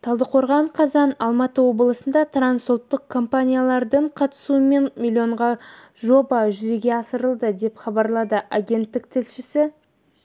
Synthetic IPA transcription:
t̪ʰɑlˠd̪əqʰo̞ɾʁɑɴqʰɑzɑnɑlˠmɑt̪əwo̞bəlˠəsənd̪ɑt̪ʰransolˠt̪ːəq̚kʰo̞mpanʲijalˠɑɾd̪əɴqʰɑt̪ə̥suəme̞nmʲilʲːio̞ɴʁɑ | ʒo̞bɑʒʏzeɡʲe̞ɑsəɾəlˠd̪əd̪e̞pχɑbɑɾlˠɑd̪əʔaɡʲe̞nt̪ːɪk̚t̪ʰɪlʃɪsɪ

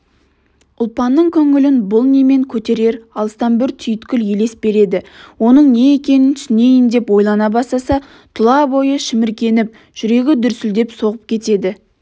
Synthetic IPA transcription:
ʊlˠpɑnːəɴkʲʰɵŋɪlɪnbʊlˠneme̞ŋkʲʰɵt̪e̞ɾe̞ɾɑlˠəst̪ɑnbɪɾt̪ʰʏjɪt̪kʲʏlje̞le̞spbe̞ɾe̞d̪ɪwo̞nəɴne̞ekʲe̞nɪnt̪ʰsɪne̞jɪnd̪e̞pwo̞jlˠɑnɑbɑsɑsɑ | t̪ʰʊlˠɑbo̞jəʃɪmɪɾkʲe̞nɪp̚ | ʒ̥ʏɾe̞ɡʲɪd̪ʏɾsɪld̪e̞pso̞ʁəp̚kʲʰe̞t̪e̞d̪ɪ

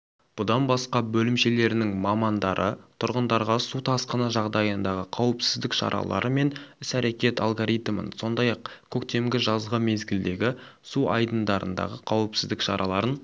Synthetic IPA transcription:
b̥ʊd̪ɑnbɑsqɑbɵlɪmʃe̞le̞ɾɪnɪŋmɑmɑnd̪ɑɾʔət̪ʰʊɾʁənd̪ɑɾʁɑsut̪ʰɑsqənɑʒɑʁd̪ɑjənd̪ɑʁəqʰɑwəpsɪzd̪ɪkʃɑ̰ɾʔɑ̰lˠɑ̰ɾəme̞nɪsæɾe̞kʲe̞t̪ɑ̰lˠɡoɾijt̪mə̰nso̞nd̪ɑjɑq̚kʲʰɵkt̪e̞mɡʲɪʒɑzʁəme̞zɡʲɪld̪e̞ɡʲɪsuɑ̰jd̪ənd̪ɑɾə̰nd̪ɑ̰ʁəqʰɑwəpsɪzd̪ɪkʃɑ̰ɾʔɑlˠɑɾən

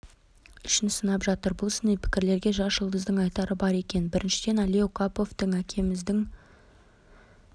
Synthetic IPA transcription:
ʏʃɪnsənɑpʒɑt̪əɾbʊlˠɪsɪnejpʰɪ̥kʲɪɾle̞ɾɡʲe̞ʒɑsʒəlˠd̪əzd̪əɴɑjt̪ɑɾəbɑɾe̞kʲe̞nbɪɾʔɪnʃɪd̪e̞nɑleokʰapo̞ft̪əɴækʲʰe̞mɪzd̪ɪŋ

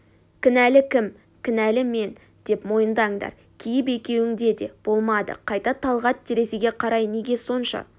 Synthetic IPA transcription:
kʲɪnælɪkʲʰɪm | kʲʰɪnælɪme̞n | d̪̥e̞pmo̞jənd̪ɑjəɴd̪ɑ̰ɾ | kʲʰijɪp̬e̞kʲe̞wɪŋd̪e̞d̪e̞b̥o̞lˠmɑd̪ə̰qʰɑjt̪ɑt̪ʰɑlˠʁɑt̪ʰːeɾe̞seɡʲe̞qʰɑɾɑjne̞ɡʲe̞so̞nʃɑ̰

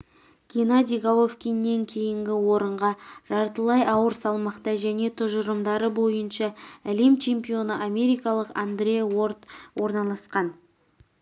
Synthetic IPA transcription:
ɡ̥ʲinad̪ʲijɡalˠofkʲijnːe̞ŋkʲʰe̞jɪŋɡʲɪwo̞ɾəɴʁɑʒ̥ɑɾt̪əlˠɑjɑwəɾsɑlˠmɑqt̪ɑʒæne̞t̪ʰʊʒəɾəmd̪ɑɾəbo̞jənʃɑæle̞mt͡ʃʰe̞mpio̞nəʔame̞ɾijkɑlˠəqa̰nd̪ɾʲe̞wo̞rt̪wʔo̞ɾnɑlˠɑsqɑn

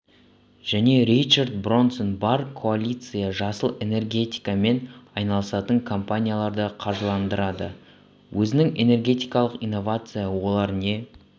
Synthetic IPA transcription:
ʒ̥æne̞ɾijt͡ʃaɾd̪̚bro̞nso̞nbɑɾkʰo̞alʲit̪sɨjaʒɑsəlˠe̞ne̞rɡʲe̞t̪i̥jkame̞nɑjnɑlˠəsɑt̪əŋkʰo̞mpanʲijalˠɑɾd̪əqʰɑɾʒəlˠɑnd̪əɾɑd̪ə̰ | wʔɵzɪnɪŋe̞ne̞rɡʲe̞t̪ijkɑlˠəqijnːo̞vat̪sɨjawo̞lˠɑɾne̞

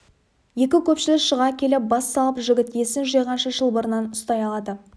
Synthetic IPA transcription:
je̞kʲɪkʲʰɵpʃɪlɪkʃəʁɑkʲʰe̞lɪp̚bɑsːɑlˠəpʒɪɡʲɪt̪je̞sɪnʒijʁɑnʃəʒəlˠbəɾənɑnʊst̪ɑjɑlˠɑd̪ə

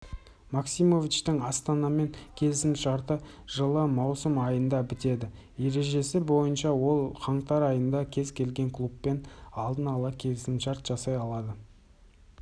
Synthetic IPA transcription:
maksimo̞vit͡ʃt̪ɪŋɑst̪ɑnɑme̞ŋkʲʰe̞lɪsɪmt̪ʃɑɾt̪ə | ʒ̥əlˠəmɑwsəmɑjənd̪ɑbɪt̪e̞d̪ɪ | je̞ɾe̞ʒe̞sɪbo̞jənʃɑwo̞lˠqʰɑɴt̪ɑɾɑjənd̪ɑkʲʰe̞zkʲʰe̞lɡʲe̞ŋkʰlˠupːe̞nɑlˠd̪ənɑlˠɑkʲʰe̞lɪsɪmʃɑɾt̪ʒ̥ɑsɑjɑlˠɑd̪ə

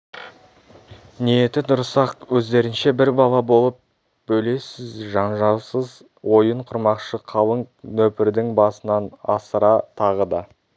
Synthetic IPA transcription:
nijet̪ɪd̪ʊɾəsɑqwɵzd̪e̞ɾɪnʃe̞bɪɾbɑlˠɑbo̞lˠəp̚ | bɵjle̞sɪzʒɑɴʒɑsəz | wo̞jəɴqʰʊɾmɑqʃəqʰɑlˠəɴnɵpɪɾd̪ɪŋbɑsənɑnɑsəɾɑt̪ʰɑʁəd̪ɑ

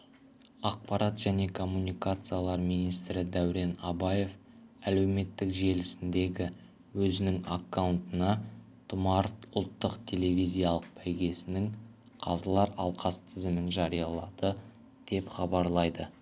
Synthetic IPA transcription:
ɑq̚pɑɾɑt̪ʒ̥æne̞kʰo̞mːunijkat̪sɨjalˠɑɾmijnijst̪ɾɪd̪æwɾe̞nɑbɑje̞f | æle̞wme̞t̪ːɪkʒe̞lɪsɪnd̪e̞ɡʲɪ | wɵzɪnɪŋakːawʊnt̪ənɑ | t̪ʰʊmɑɾt̪ʊlˠt̪ːəqt̪ʲʰe̞le̞vʲizʲijalˠəq̚pʰæjɡʲe̞sɪnɪŋ | qʰɑzəlˠɑɾɑlˠqʰɑst̪ʰɪzɪmɪnʒɑɾijɑlˠɑd̪̥ə | d̪̥e̞pχɑbɑɾlˠɑjd̪ə

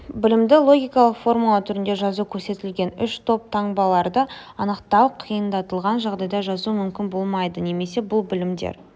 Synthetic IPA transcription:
bɪlɪmd̪ɪlˠo̞ɡʲijkɑlˠəqfo̞rmulˠat̪ʰʏɾɪnd̪e̞ʒɑzukʲʰɵɾse̞t̪ɪlɡʲe̞nʏʃt̪ʰo̞p̚t̪ʰɑɴbɑlˠɑɾd̪əɑnəqt̪ɑwqʰijənd̪ɑt̪əlˠʁɑnʒɑʁd̪ɑjd̪ɑʒɑzumʏmkʲɪnbo̞lˠmɑjd̪əne̞me̞se̞bʊlˠbɪlɪmd̪ḛɾ

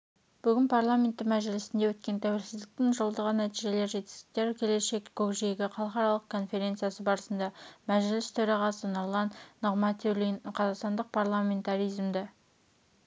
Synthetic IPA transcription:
b̥ʏɡʲɪnpʰaɾlˠamʲe̞nt̪ːɪŋmæʒɪlɪsɪnd̪ewɵt̪kʲe̞nt̪ʰæwe̞lsɪzd̪ɪk̚t̪ɪŋʒolˠd̪əʁənæt̪iʒe̞le̞ɾʒe̞t̪ɪ̥st̪ɪ̥k̚t̪e̞ɾkʲʰe̞le̞ʃe̞kkʰokʒeɡʲɪqʰɑlˠəqɑɾɑlˠəq̚kʰo̞nfe̞ɾʲe̞nt̪sɨjasəbɑɾəsənd̪ɑmæʒɪlɪst̪ʰɵɾɑʁɑsənolˠɑnːoʁmɑt̪elʲijnqʰɑzɑqst̪ɑnd̪əq̚pʰaɾlˠamʲe̞nt̪aɾijzmd̪ɪ

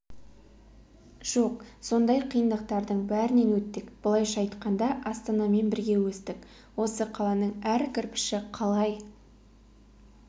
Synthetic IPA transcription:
ʒ̥o̞qso̞nd̪ɑjqʰijənd̪əq̚t̪ɑɾd̪əɴbæɾɪne̞nwɵt̪ːɪkb̥əlˠɑjʃɑjt̪qɑnd̪ɑʔɑst̪ɑnɑme̞nbɪɾɡʲe̞wɵst̪ɪk | wo̞səqʰɑlˠɑnəɴæɾkʲʰɪɾpɪ̥ʃɪqʰɑlˠɑj

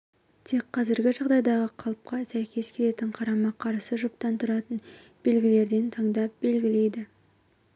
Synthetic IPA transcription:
t̪ʰekqʰːɑzɪɾɡʲɪʒɑʁd̪ɑjd̪ɑʁəqʰɑlˠp̚qɑsæjkʲʰe̞skʲʰe̞le̞t̪ɪɴqʰɑɾɑmɑqʰɑɾsəʒʊp̚t̪ɑnt̪ʰʊɾɑt̪ən | b̥e̞lɡʲɪle̞ɾd̪e̞nt̪ʰɑɴd̪ɑp̚be̞lɡʲɪle̞jd̪ɪ

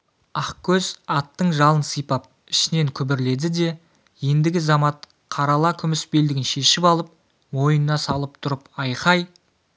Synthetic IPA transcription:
ɑqkʲʰɵzɑt̪ːəɴʒɑlˠənsəjpɑp̚ | ɪ̥ʃɪne̞ŋkʲʰʏbɪɾle̞d̪ɪd̪e̞ | je̞nd̪ɪɡʲɪzɑmɑt̪̚ | qʰɑɾɑlˠɑkʲʰʏmɪsbe̞ld̪ɪɡʲɪnʃe̞ʃɪpɑlˠəp̚ | mo̞jənːɑsɑlˠəp̚t̪ʰʊɾəpɑjqɑj

